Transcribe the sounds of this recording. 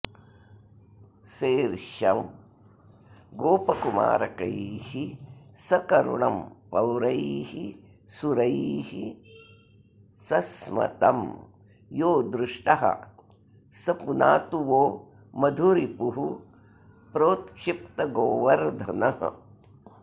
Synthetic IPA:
seːɾʃɐ̰m | ɡoːpɐkuma̰ːɾɐkɐ̰jhisɐkɐɾṵɳɐmpɐwɾɐjhi | suɾɐjhi | sɐsmɐ̰t̪ɐm | joːd̪ɾuʂʈɐɦɐ̰ | sɐpunaːt̪uʋoː | mɐd̪ʱuɾipuɦu | pɾoːt̪kʂip̚t̪ɐɡoːʋɐɾd̪ʱɐnɐɦɐ̰

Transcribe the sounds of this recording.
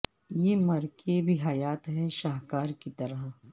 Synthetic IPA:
jeːmɐɾkebʱiɦɐjaːt̪ɦɛʃaːɦkaːɾkit̪ɐɾəɦ

